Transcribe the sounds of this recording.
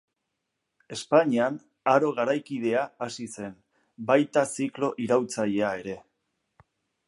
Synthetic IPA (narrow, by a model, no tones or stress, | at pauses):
e̞spaɲian | aɾo̞ɣ̞aɾajkið̞e̞aasise̞n | bajt̪asiklo̞ʔiɾawt͡saʎe̞ae̞ɾe̞